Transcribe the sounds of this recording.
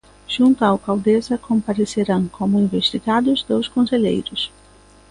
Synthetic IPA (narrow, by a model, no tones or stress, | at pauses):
ʒ̥ũnt̪ʊawkawd̪ezɐkõmpaɾeseɾɐ̃w̃kʰõmʊĩveʃt̪iɡad̪ʊzd̪oskõseʎḛjɾʊs